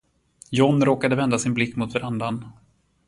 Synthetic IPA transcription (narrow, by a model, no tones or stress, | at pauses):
jɔnɾoːkad̪əvɛnd̪asɪnblɪkːmʊt̪vaɾand̪an